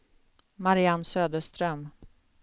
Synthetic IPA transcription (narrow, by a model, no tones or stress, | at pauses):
maɾɪanːsøːd̪əʂt̪ɾœm